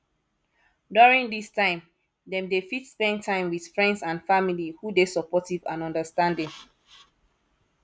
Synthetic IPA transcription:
duɹĩŋdistãɪ̃m | dɛ̃mdefitspɛ̃ntʰãɪ̃mwið̥fɹɛ̃ndsãnfamilihudesɔpɔtivã̰nɔ̃ndəstãndĩŋ

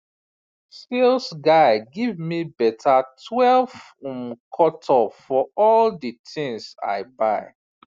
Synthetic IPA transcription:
selsɡaɪɡivmibɛtʰatʰwɛlv | ũmkʰɔtʰɔfɔɔldətʰĩŋsa̰ɪbaɪ

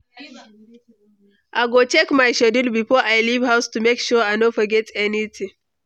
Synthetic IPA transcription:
ʔaɡot͡ʃɛkmajʃɛdidbipoʔajlibɦawstumekʃɔanofɐɡɛtɛnitʰi

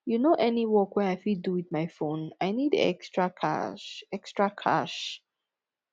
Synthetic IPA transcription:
junoʔɛniwɔkwɛajfiduwiðmaɪfõnaɪnidɛ̰kstɹakʰa̰ʃɛkstɹ̥akʰa̰ʃ

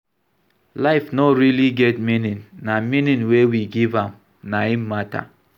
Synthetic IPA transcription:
laɪfnɔɾiliɡɛtminĩnːamĩnĩnwewiɡivãm | naimata̰

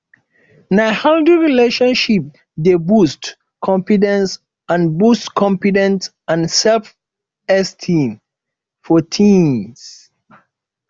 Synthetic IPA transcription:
nahaldiɹileʃɔ̃nʃip̚ | debust | kʰɔ̃mfidɛ̃ns | ãnbustkʰɔ̃mpidɛ̃nts | ãnsɛlf | ɛstʰĩm | fɔtʰĩms

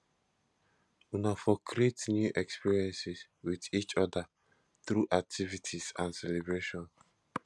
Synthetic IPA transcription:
unafɔkʰɾietnjuʔɛkspiɹiɛ̃nsis | widit͡ʃɔda | θɾuʔak̚tʰivitʰisãnsɛlebɾeʃɔ̃n

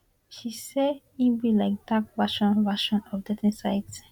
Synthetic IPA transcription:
ʃise | ibilaɪk̚d̥ak̚vaʃɔ̃nvaʃɔ̃nɔfdɛtnisaɪd

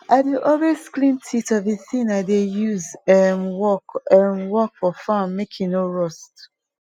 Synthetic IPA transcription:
aɪdeʔɔlesklĩmtʰitɔvðiθĩnaɪdejuzɛmwɔkɛmwɔk̚fɔfãmːekʰĩnoɹɔst

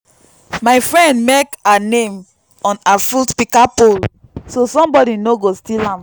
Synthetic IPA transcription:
maɪfɹɛ̃ndmekanẽm | ɔ̃nafultpikapol | sosɔ̃mbɔdinoɡostilãm

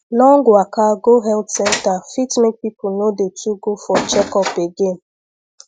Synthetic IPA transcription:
lɔŋ̩ɡʊakaɡoɦɛltsɛntafitmek̚pipʊnodetʰuɡofɔt͡ʃɛkɔpeɡem̩

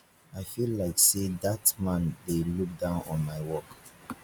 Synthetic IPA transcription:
aɪfillːaɪksedatmãndeluk̚dãʊ̃nɔ̰̃nmaɪwɔk

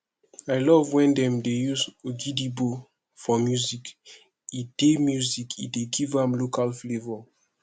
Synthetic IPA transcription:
aɪlɔvwɛ̃ndɛ̃mdejuzoɡidibo | fɔmjuzik | id̥emjuzikʰḭdeɡivãmlokalflevɔ

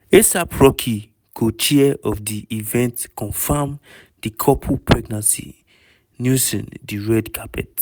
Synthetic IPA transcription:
esapʰɹɔkʰi | kʰot͡ʃiɛɔfdiivɛ̃ntkɔ̃nfam | dikʰɔpʰupʰɹɛɡnãnsḭ | njusɔ̰̃ndiɹɛdkʰapʰɛ̰t

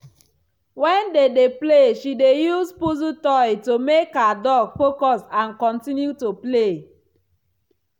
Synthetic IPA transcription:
wɛ̃ndedepleʃidejuspuzutɔjtomekadɔɡfokɔsãnkɔ̃ntĩnjutople

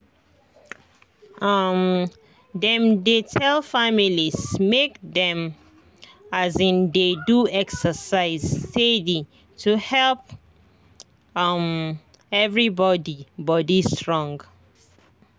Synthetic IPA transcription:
am | dɛ̃mdetʰɛlfamilismekdɛ̃m | azĩndeduɛksəsaɪztedi | tʰuhɛlp̚ | m | ɛvɹibɔdibɔdistɹɔ̃ŋɡ

